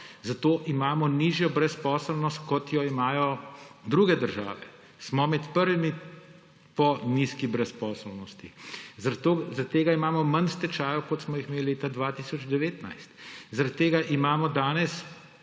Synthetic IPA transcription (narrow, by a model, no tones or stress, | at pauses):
zat̪oːʔimaːmɔniːʒjɔbɾɛspɔːsəlnɔst̪kɔt̪jɔimaːjɔd̪ɾuɡɛd̪əɾʒa̰ːʋɛ | smɔmɛt̪pəɾʋimi | pɔniskibɾɛspɔːsəlnɔst̪izaɾt̪ːoːzat̪t̪ːeːɡaimaːmɔmɐnst̪ɛt͡ʃaːjɔkɔt̪smɔixmeːlleːt̪ad̪ʋaːt̪iːsɔd͡ʒd̪ɛʋeːt̪na̰jst̪zaɾat̪ːeːɡaʔimaːmɔd̪aːnɛs